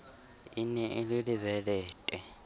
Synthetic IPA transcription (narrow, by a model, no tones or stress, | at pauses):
inɛʔililivɛlɛːtʼɛ